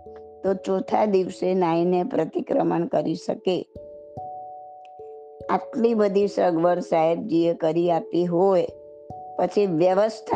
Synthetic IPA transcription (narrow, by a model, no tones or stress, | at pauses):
t̪ot͡ʃõt̪ʰad̪iʋsenainepɾət̪ikɾəmənkəɾiʃə̰ke | a̰ʈlibəd̪ʱisəɡʋəɾsaɦeb̚d͡ʒiəkəɾiapiɦoj | pət͡ʃʰiʋjəʋəst̪ʰ